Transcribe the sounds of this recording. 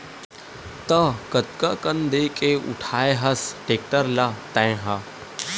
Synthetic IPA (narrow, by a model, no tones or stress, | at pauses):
t̪əkət̪kakənd̪eːkeʊ̰ʈʰaːeɦɐsʈeːk̚ʈəɾlat̪ɐ̃ẽɦaː